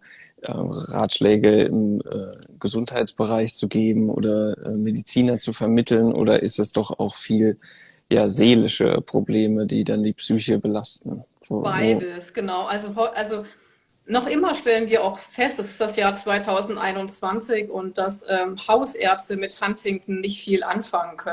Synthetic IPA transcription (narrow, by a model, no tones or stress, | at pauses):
ʔɛ̰ːʁa̰ːtʃlɛːɡəɪ̰mʔɛːɡ̥əzʊnthaɪtt͡sb̥əʁaɪçt͡suɡeːbm̩ʔo̰ːdɐʔɛ̰ːmːedit͡siːnɐt͡sufɛɐmɪtʰl̩nʔo̰ːdɐ̰ʔɪstɛsd̥ɔχa̰ʊxfiːl | ja̰ːzeːlɪʃə̰pʁ̥obleːmədiːdandiːpsyːçəbəlastn̩ | fbaɪdəsɡ̥ənaʊʔalzoɦɔʔalzo | nɔχʔɪmɐʃtɛlənviːɐʔaʊxfɛst̚d̥asɪ̥std̥asjaːɐt͡sv̥aɪtʰaʊzn̩tʔa̰ɪnʊnt͡sv̥ant͡sɪçʊnt̚d̥asʔɛːmhaʊsʔɛɐt͡stəmɪthantɪŋkn̩nɪçtfiːlʔa̰nfaŋənkʰœ